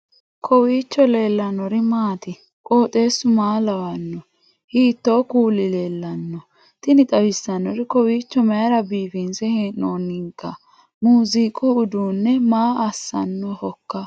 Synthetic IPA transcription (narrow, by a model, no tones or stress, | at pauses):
kʰɔwiːt͡ʃːɔle̞ːlːɐnɔɾɪmaːt̪ɪ | kʼoːt̪ʼe̞ːsːʊmaːlɐwɐnːɔ | hiːt̪ːo̞ːkuːlːɪleːlːɐnːɔ | t̪ɪnɪt̪ʼɐwɪsːɐnːɔɾɪkɔwiːt͡ʃːɔmɛɐɾɐbiːfɪnsɛheːnoːnːɪŋkːɐ | muːzikʼʊʊd̪uːnːɛmaːʔɐsːɐ̰nːɔhɔkːɐ